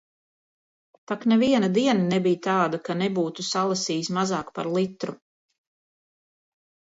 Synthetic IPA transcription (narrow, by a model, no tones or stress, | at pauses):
t̪aknɛviɛnad̪iɛnanɛbijt̪aːd̪akanɛbuːt̪usalˠasiːsmazɑːkpaɾlˠit̪ɾu